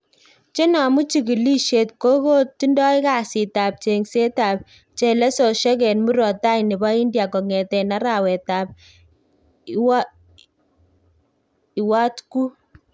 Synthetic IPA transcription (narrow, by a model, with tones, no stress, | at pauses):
t͡ʃe˦nɔ˨mu˦t͡ʃi˨ki˨li˦ʃe˨tko˦ko˦ti˦ndɔ˦ɪ˦ka˨si˨ta˨p̚t͡ʃe˨ŋse˦ta˨p̚ | t͡ʃe˨lɛ˦so˨ʃɛ˦k̬ɛ˨nmu˦ɾɔ˨ta˦inɪ˨bɔ˦i˦ndja˨kɔ˨ŋɛ˨tɛ˨na˦ɾa˨wɛ˨ta˨p̚ | wa˦ | i˨wa˦tku˦